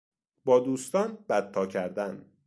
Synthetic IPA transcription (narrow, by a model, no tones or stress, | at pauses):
bɒːd̪uːst̪ɒːnbæt̪̚t̪ʰːɒːcʰæɾd̪æn